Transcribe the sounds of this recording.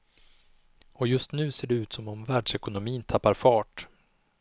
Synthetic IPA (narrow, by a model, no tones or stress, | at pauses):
ɔjɵst̪nʉ̟ːseːɖɛʉ̟ːt̪sɔmɔmvæːɖʂɛkʊnʊmiːnt̪ʰapːaɾfɑːʈ